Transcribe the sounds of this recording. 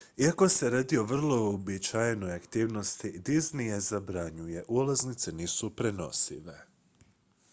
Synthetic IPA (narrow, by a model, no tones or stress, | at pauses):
iako̞se̞ɾaːd̪io̞ʋr̩lˠo̞obit͡ʃajeno̞jakt̪iːʋno̞st̪id̪iznije̞zabɾaɲuje̞ʔulˠaznit̪se̞niːsupɾe̞no̞̰sḭʋe̞